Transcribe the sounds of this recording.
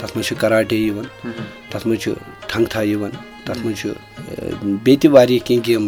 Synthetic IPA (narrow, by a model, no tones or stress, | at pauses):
t̪ɐsmɐt͡ʃʰukɐɾaːʈejiʋɐn | t̪ɐsmɐnt͡ʃʰṵ | t̪ʰɐŋɡt̪ʰaːjiʋɐn | t̪ɐt̪ʰmɐnt͡ʃʰṵ | bet̪iʋaːɾijekĩŋɡim